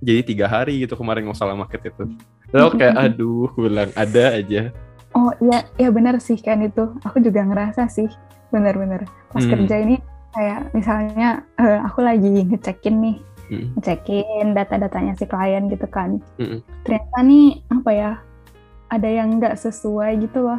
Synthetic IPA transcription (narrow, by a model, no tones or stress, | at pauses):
d͡ʒadit̪iɡaɦaɾiɡit̪ukəmaɾɪnmosalamakət̪̚it̪u | lowkajaʔʔadʊhbilaŋadaːd͡ʒa | ɔhijajabənərsɪhkanit̪uakud͡ʒuɡaŋəɾasasɪh | bənərbənərpaskərd͡ʒainikajaʔmisalɲaəakulaɡiŋət͡ʃɛkɪnːɪhŋət͡ʃɛkɪndat̪adat̪aɲasɪhklajanɡit̪ukan̩t̪ərɲat̪aniapaja | adajaŋɡaʔsəsuajɡit̪ulɔh